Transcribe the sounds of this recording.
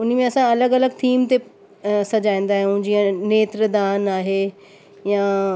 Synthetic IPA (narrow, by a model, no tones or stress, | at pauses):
ʊn̤mẽɐsãɐləɡɐləɡ̚t̪ʰiːmt̪e | sɐd͡ʑaːĩːnd̪aːɦijũd͡ʑiːə̃neːt̪ɾəd̪aːnaːɦeː | jã